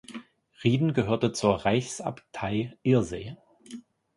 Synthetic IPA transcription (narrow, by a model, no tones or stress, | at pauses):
ʁiːdn̩ɡəɦøːɐtət͡suːɐʁaɪçsa̰ptʰaɪʔɪɐzeː